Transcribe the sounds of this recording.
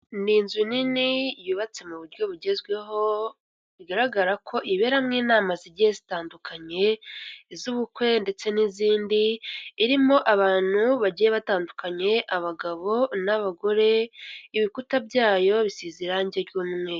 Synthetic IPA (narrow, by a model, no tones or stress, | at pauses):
niːnzuninijuːβat͡se̞muβuɾɟo̞βuɟe̞zɡwe̞ɦo̞ | iɡaɾaɡaɾakʰo̞ʔiβe̞ːɾamŋiːnaːmaziɾɟijezitaːndukʰaɲe̞zuβukwe̞nde̞t͡se̞niziːndiːɾimo̞ʔaβaːn̥huβaɟijeβataːndukaɲe̞ʔaβaɡaβo̞naβaɡo̞ɾe̞iβikutabjaːjo̞βisiziɾaɲɟeɾɡuːmŋwe